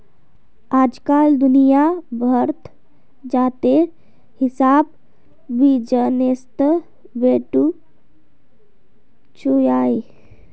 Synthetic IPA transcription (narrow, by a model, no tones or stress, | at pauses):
aːd͡ʒkaːld̪ʊnijabʱəɾt̪ʰ | d͡ʒaːt̪e | hɪsaːb | bid͡ʒənest̪ə | beːʈu | t͡ʃujaːi